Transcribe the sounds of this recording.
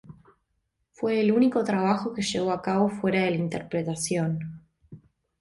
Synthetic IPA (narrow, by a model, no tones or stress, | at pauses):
fwe̞ːluniko̞t̪ɾaβ̞axo̞ke̞ʃe̞βo̞akaβo̞fwe̞ɾaðe̞laint̪eɾpɾe̞t̪asjo̞n